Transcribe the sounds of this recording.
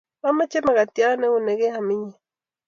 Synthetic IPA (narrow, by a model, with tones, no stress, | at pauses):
wa˦ma˦t͡ʃe˦ma˨ka˨tja˦nɛ˦o˨ne˨ɡe˦a˨mɪ˦ɲɛ˨